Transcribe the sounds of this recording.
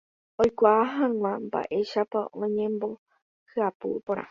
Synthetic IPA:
ojkʷaːɦãŋʷãmba̰ʔe̞ʃapaʔõɲẽ̞mbo̞ | hɨapṵpõɾ̃ʔã̰

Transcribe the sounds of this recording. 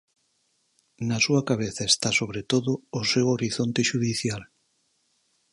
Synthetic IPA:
nasuakaβ̞eθaest̪asoβɾet̪oðʊːsewoɾiθont̪eʃuðiθjal

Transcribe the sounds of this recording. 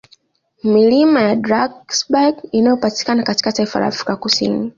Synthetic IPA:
milimajadɾaɡsbaɡinajɔpati̥kanakati̥kataifala̰ːfɾikakusḭni

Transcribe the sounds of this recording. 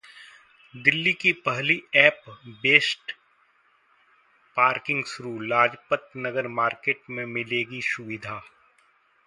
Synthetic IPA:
d̪ɪlːikipɐɦliɛːpbeːsʈ | paːɾkɪ̃ŋɡsʊɾuːlaːd͡ʒpət̪nəɡəɾmaːɾkeːʈmẽmɪleːɡisʊʋɪd̪ʱaː

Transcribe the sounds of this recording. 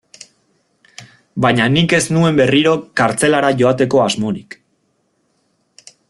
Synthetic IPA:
baɲanike̞snue̞mbe̞riɾo̞kaɾt͡se̞laɾaʝo̞at̪e̞ko̞azmo̞ɾik

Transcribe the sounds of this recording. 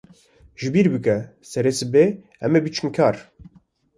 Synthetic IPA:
ʒɨbiːɾbɨkɛsɛɾesɨbe | ɛ̰mebɨt͡ʃʰɨmkʰaːɾ

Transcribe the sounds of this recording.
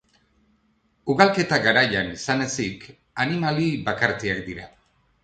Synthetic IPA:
uɣalke̞t̪aɣaɾajanisane̞sik | animalibakaɾt͡seak̚d̪iɾa

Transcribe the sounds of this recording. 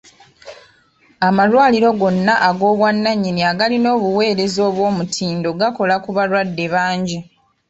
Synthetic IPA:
amalwaːliɾo̞ɡo̞nːaʔaɡo̞ːβwanːaɲːiniaɡalino̞ːβuwe̞ːɾe̞zo̞ːβwo̞ːmutʰiːndo̞ɡako̞lakuβalwadːe̞βaːɲɟi

